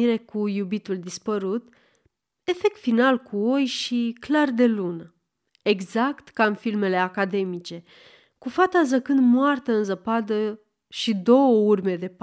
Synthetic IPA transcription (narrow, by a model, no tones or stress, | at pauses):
iɾe̞kujubit̪uld̪ispəɾut̪ | e̞fek̚t̪finalkʰuojʃiklard̪e̞lun | e̞ɡzakt̪kamfilme̞le̞akad̪e̞mit͡ʃe̞ | kufat̪azəkɨnd̪moart̪aɨnzəpad̪ə | ʃid̪o̞wəurme̞d̪e̞p